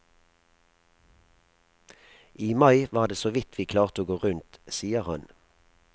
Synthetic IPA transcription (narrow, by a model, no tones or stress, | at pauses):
ʔiːmɑɪʋɑːʁd̪eːsoːʋɪt̪ʰʋiːkʰlɑːʁt̪oːɡoːʁʉnt̪siːəʁhɑ̰n